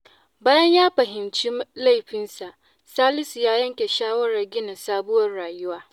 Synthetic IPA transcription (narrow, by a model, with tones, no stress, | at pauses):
baː˦jɐ˦ɲjaː˦ɸɐ˨ɦɪ˨mt͡ʃi˦la˦˨jɸɪ˦nsa˨ʔ | saː˦lɪ˦su˨jaː˦jɐ˦ŋkʲe˨ʃaː˦wɐ˦ɾɐ˨rɡʲɪ˦na˨saː˦bʊ˦wɐ˦rɽaː˨jʊ˦waː˦